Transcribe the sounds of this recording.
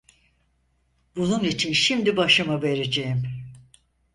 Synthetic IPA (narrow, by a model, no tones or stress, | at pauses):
bununit͡ʃʰinʃimd̪ibaʃɯmave̞ɾed͡ʒejim